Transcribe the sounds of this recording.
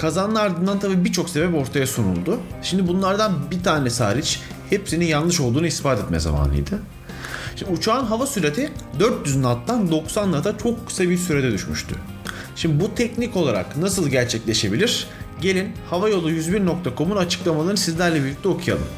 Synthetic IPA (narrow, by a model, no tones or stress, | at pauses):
kʰazanaɾd̪ɯnd̪ant̪ʰabiːbiɾt͡ʃʰo̞kse̞bɛpo̞ɾt̪ʰajasunṵlˠd̪ʊʃimd̪ibunlˠaɾd̪anbit̪ʰaːnɛsa̰ːɾit͡ʃ | hepsinijanlˠɯʃo̞lˠd̪uːnuispaːt̪ʰɛt̪mɛ̰za̰ma̰ːnˠɯ̰jd̪ɯ | ʃimut͡ʃʰaːnɦavasyɾet̪ʰid̪øɾt̪jyznat̪lːand̪o̞ksanːat̪ʰat͡ʃʰokːɯ̥sajbiɾsyɾed̪ɛd̪yʃmy̰ʃt̪ʰy̰ | ʃimd̪ibut̪ʰɛcnico̞lˠaɾa̰knasɯlˠɟæɾt͡ʃʰɛclʲe̞ʃe̞bilʲiɾ̥ | ɟe̞lʲinhavajo̞lˠujyzbiɾno̞k̚t̪ʰakʰo̞munat͡ʃʰɯ̥klˠamalˠaɾnɯsizlʲæɾlʲɛbilʲic̚t̪ʰɛo̞kʰuja̰lˠɯ̰m